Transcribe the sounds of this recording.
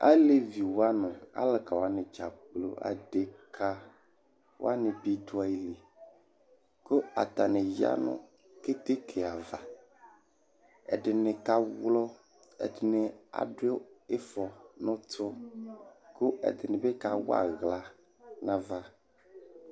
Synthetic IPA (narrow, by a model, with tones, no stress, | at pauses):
a̰˦le˨vi˨wa˦nʊ̃˨a̰˦lɪ˨ka˨wa˦nɪ̃˨d͡ʒa˨k͡plo˨ʔa̰˨de˨kʰa˦ | w̰a˦nɪ̃˨bi˦dʊ˨˦a˨e˨li˨ | ko˦a̰˨t̪a˨nɪ˨ja̰˦nʊ̰̃˨ | ke˦t̪e˦kʰe˨a˨va˨ | ɛ˨dɪ˨nɪ̃˨ka˦wlɔ˦ | ɛ̰˨dɪ˨nɪ˨a̰˨dɪ˦ʊ˦ɪ˦fɔ˨nʊ̃˦tʰʊ˦ | kʊ˦ɛ̰˨dɪ˨nɪ̃˨bɛ˦ka˨w̰a̰˨ɣla˨ | nã˨va˨